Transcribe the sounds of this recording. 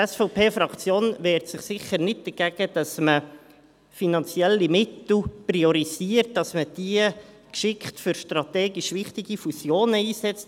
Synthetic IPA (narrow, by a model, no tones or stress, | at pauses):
ɛsfɔʊpʰeːfɾɑkt͡sjoːnʋɛːɾtsɪχsɪχəɾnɪt̚d̥̪əɡ̥ɛɡ̥əd̥ɑsmə | finɑnt͡sjɛlːimɪtl̩prioɾisiːərt̚d̥ɑsməd̥iə | kʃɪkχtfʏɾʃtrɑtɛːɡiʃʋɪχtiɡ̥ifusjoːnəiːsɛt͡st